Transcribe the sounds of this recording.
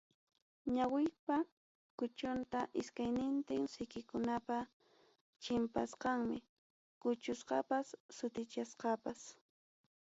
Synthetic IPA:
ɲawɪpa | kʊt͡ʃʊnt̪aʔɪskajnɪnt̪ɪŋsɪkɪkʊnapa | t͡ʃɪmpa̰sqɑŋmɪ | kʊt͡ʃʊsqɑpasːʊt̪ɪt͡ʃasqɑpas

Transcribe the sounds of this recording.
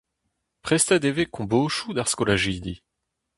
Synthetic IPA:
pχɛst̪ɛd̪evekɔ̃boʃud̪aʁskɔlaʒid̪i

